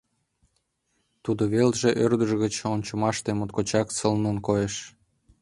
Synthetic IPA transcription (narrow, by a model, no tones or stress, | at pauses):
t̪ud̪oβelʒeʔørd̪əʒɣət͡ɕont͡ɕŏmɑʃt̪emot̪kot͡ɕɑkt͡səlnonkojeʃ